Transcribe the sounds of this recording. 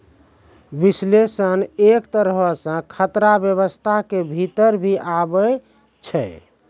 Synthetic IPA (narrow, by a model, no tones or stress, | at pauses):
bislesənekt̪əɾɦəsə̃kʰət̪ɾabjəβəst̪ʰakebʱit̪əɾbʱiʔabə | t͡ʃʰɛ